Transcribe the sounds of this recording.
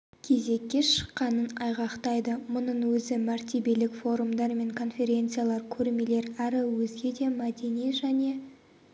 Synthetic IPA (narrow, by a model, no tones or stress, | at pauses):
kʲʰe̞ze̞kʲːe̞ʃə̥qːɑnənɑjʁɑqt̪ɑjd̪əmʊnəɴwɵzɪmæɾt̪ʲe̞be̞lɪkfo̞ɾumd̪ɑɾme̞ŋkʰo̞nfʲe̞ɾʲe̞nt̪sɨjalˠɑɾkʲʰɵɾme̞le̞ɾæɾɪwɵzɡʲe̞d̪e̞mæd̪e̞nijʒæne̞